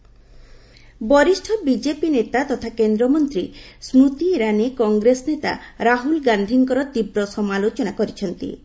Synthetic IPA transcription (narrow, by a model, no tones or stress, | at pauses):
bɔɾisʈʰɔbid͡ʒepinet̪at̪ɔt̪ʰakend̪ɾɔmɔnt̪ɾisɾut̪iːɾanekɔŋɡɾesnet̪a̰ɾaɦulɡand̪ʱiŋkɔɾɔt̪ibɾɔsɔmalot͡ʃɔnakoɾit͡ʃʰɔnt̪ḭ